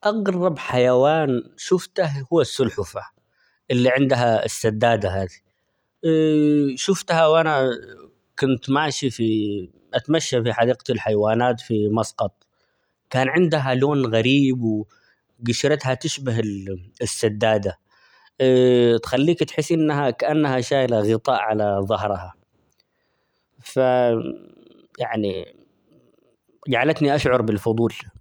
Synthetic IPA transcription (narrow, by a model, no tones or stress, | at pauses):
ʔɑɣɾˤɑbħajawaːnʃʊft̪ahhʊwːasːʊlħʊfa | ʔɪlːiʕɪnd̪aɦaɪ̰sːad̪ːaːd̪aɦaːd̪i | ʃʊft̪hawʔana | kʊnt̪maʕʃifi | ʔat̪maʃːafiħad̪iːqalħajwaːnaːt̪fimɑsqɑt̪ˤ | kaːnʕɪnd̪ɦaloːnɣaɾiːbwɪ | ɡʊʃɾɑt̪hat̪ɪʃbaɦɪlɪsːad̪ːaːd̪a | t̪xalːiːkt̪ħɪsːʔɪnːaɦakaʔanːahaʃaːjlaɣɪt̪ˤɑ̰ːʔʕalaðˤɑɦɾˤha | fa | jaʕnḭ | d͡ʒaʕalat̪niʔaʃʕʊɾˤbɪlfʊd̪ˤuːl